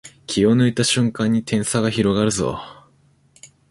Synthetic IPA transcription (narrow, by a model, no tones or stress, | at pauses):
kʲʰionɯ̟it̪aɕɨ̃ŋkãɲ̟ːit̪ʰẽ̞ɰ̃saɡaçiɾo̞ɡaɾɯ̟zo̰